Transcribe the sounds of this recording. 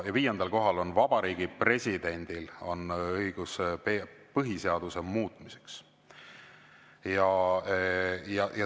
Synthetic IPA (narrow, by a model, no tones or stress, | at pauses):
jɑviːjend̪̥ɑlko̞ɦɑlo̞nvɑb̥ɑɾiːɡ̥ipre̞sʲid̪̥e̞nʲd̪̥ilo̞̰nɤjɡ̥uspepɤɦise̞ɑd̪̥use̞muːt̪ˑmise̞̥ks | jɑ | jɑjɑ